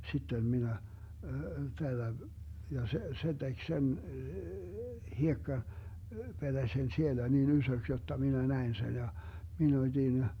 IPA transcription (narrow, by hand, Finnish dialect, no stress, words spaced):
sitːem minæ tælːæ jɑ se se tek sen hiekːɑ ped̥æsen sielæ nin ysøks jotːɑ minæ næin sen jɑ min otʲin